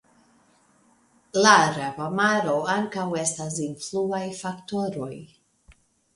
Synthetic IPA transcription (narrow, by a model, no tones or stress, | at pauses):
laɾapamaɾo̞aŋkawestas̬influajfakt̪oɾo̞j